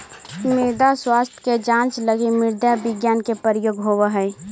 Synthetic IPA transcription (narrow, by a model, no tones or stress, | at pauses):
mɪɾd̪aswaːst̪ʰjked͡ʒãnt͡ʃləɡimɪɾd̪jabɪɡjaːnkepəɾjoːɡɦowəɦəɪ